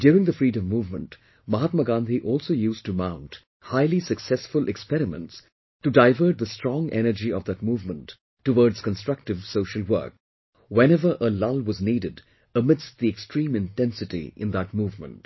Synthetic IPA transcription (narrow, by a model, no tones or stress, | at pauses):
d̥juːɾɪ̃ŋðəfɹiːdə̃mːuːvmə̰̃nt | mʌɦat̪̚məɡãnd̪ʱiʔɔlˠsoʊjustumãʊ̃nt | haɪlisɨksɛsfʊlʔɛkspɛɾɪmə̰̃nts | tɨdaɪvə˞t̚d̪əstɹ̥ɔ̃ŋʔɛ̰nə˞d͡ʒiʌvðət̚muvmə̃ntː | əwɔɹdz̥kə̃nstɹ̥ʌk̚tɨv̥soʊʃəlˠwɜ̰˞k̚ | wɛ̃nɛvə˞ʔəlʌlˠwʌzniːdɨd | əmɪdsðiɛkstɹĩːmɨ̃ntɛ̃nsɨtḭʔɪ̰̃nðət̚muːvmə̰̃nt